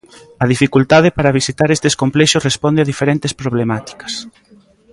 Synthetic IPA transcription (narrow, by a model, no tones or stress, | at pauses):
ɐð̞ifikult̪að̞ɪpaɾaβ̞isit̪aɾest̪eskomplɛʃosrespɔnd̪eaðifeɾent̪espɾoβlemat̪i̥kɐ̥s